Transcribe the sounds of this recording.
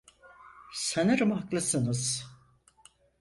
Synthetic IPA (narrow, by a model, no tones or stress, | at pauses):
seneɾɯmaklˠɯsɯnɯz̥